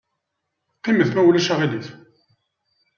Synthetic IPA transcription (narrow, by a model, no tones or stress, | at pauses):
qːiməθmæwlæʃaʁiliθ